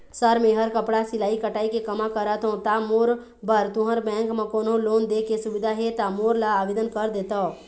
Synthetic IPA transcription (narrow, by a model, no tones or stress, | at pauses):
səɾmẽɦəɾkəpɽasɪlaːikəʈaːikekəmakəɾət̪ɦõt̪amoːɾ | bəɾt̪ʊɦəɾbɛ̃ːŋkmãkoːnõloːnd̪ekesʊʋɪd̪ʱaɦet̪amoːɾlaːʋeːd̪ənkəɾd̪eːt̪ao